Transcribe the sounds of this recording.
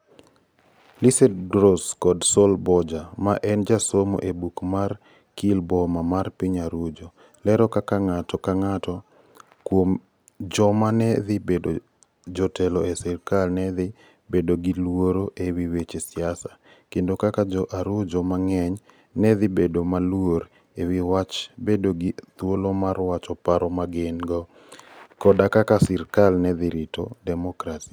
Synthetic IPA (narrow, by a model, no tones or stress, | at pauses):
lisɛdɡɾoskɔdsɔlbɔd͡ʒamaʔɛnd͡ʒasomo̰ʔebukmar | kilbɔmamarpiɲaɾʊd͡ʒo | lɛɾɔkakaŋatɔkaŋatɔ | kwom | d͡ʒɔmanɛðɪbedo | d͡ʒɔtɛlɔesɪrkalnɛðɪ | bedoɡilwoɾoʔewiwet͡ʃesiasa | kendokakad͡ʒɔʔaɾud͡ʒɔmaŋɛɲ | nɛðɪbedomalwoɾ | ewiwat͡ʃbedoɡit̪wolomarwat͡ʃɔpaɾɔmaɡenɡɔ | kɔdakakasɪrkalnɛðɪɾɪto̰dɛmɔkɾasi